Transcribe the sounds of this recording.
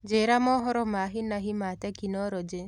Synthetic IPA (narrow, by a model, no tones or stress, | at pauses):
d͡ʒeɾamɔɦɔɾɔmaɦinaɦĩmat̪akinɔɾɔd͡ʒe